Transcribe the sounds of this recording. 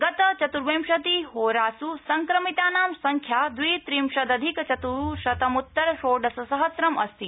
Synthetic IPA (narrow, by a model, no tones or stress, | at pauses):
ɡɐt̪ɐt͡ʃɐt̪uɾʋeːmʃɐt̪iɦoːɾaːsusɐŋkɾɐmit̪aːnaːmsɐŋkʰjaːd̪ʋiːt̪ɾiːmʃɐd̪ɐd̪ʱikt͡ʃɐt̪uʃɐt̪ɐmut̪ːɐɾʃoːɖɐsɐsɐɦɐsɾɐmɐst̪i